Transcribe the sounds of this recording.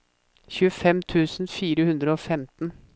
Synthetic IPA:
çʉːəfɛmt̪ʰʉːsn̩fiːɾəhʉnd̪ɾəoːfɛmt̪n̩

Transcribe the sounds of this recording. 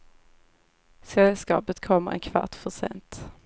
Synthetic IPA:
sɛlskɑ̰ːpət̪kʰɔmːəɾʔɛ̰nkʰva̰ʈfœʂɛ̰nt̪

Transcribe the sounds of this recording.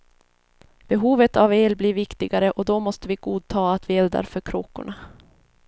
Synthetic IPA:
b̥ɛɦuːvət̪aveːlbliːɾvɪkt̪ɪɡaɾəʔɔd̪ɔmɔst̪əvɪɡuːd̪̚t̪ʰɑːat̪vɪɛld̪a̰ɾfœɾkʰɾoːkːʊ̰ɳa

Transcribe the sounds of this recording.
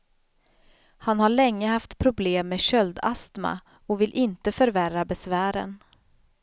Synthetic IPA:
hanhaɭɛŋːəhaft̪pʰɾʊbleːmːeːɕœld̪a̰st̪ma̰ | ɔvɪlʔɪnt̪əfœɾværabɛsvæːɾə̰n

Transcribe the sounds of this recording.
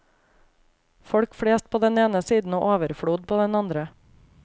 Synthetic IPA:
fɔɽkfɽeːst̪̚pʰoːd̪ɛneːnəsiːd̪n̩oːʔoːʋəɾfɽuːd̪̚pʰoːd̪ɛnɑnd̪ɾə

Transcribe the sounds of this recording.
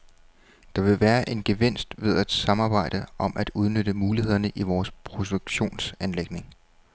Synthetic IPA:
d̥ɑ̈ʋe̝ʋæːɐʔe̝nɡ̥e̝ʋe̝n̰sd̥ʋe̝ð̞ˠæd̥sɑ̈mɑ̈ːb̥ɑ̈ɪ̰d̥əʔɒ̽mʔæd̥uð̞ˠnøɾ̥əmuːlihe̝ð̰ˠɐnəʔiʋɒːspʰʁo̝duɡ̥ɕo̝̰ːnsænleɡ̥ne̝ŋ

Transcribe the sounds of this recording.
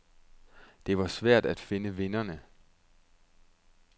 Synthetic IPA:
d̥e̝ʋɑ̈sʋæɐ̰d̥æd̥fe̝nəʋe̝nɐnə

